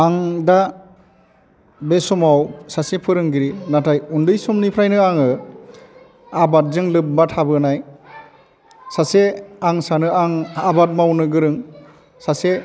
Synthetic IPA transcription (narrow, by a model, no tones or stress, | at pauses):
aŋda | besɔmawsasepʰɯɾɯŋɡiɾinatʰajundɯjsɔmnipʰɾajnɯaŋɯ | abat̚zɯŋlɯp̚matʰabɯnaj | saseaŋsanɯaŋabat̚mawnɯɡɯɾɯŋ | sase